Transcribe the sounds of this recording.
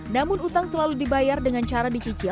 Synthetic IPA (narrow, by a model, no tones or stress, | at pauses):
namʊnut̪aŋsəlaludibajardəŋant͡ʃaɾadit͡ʃit͡ʃɪ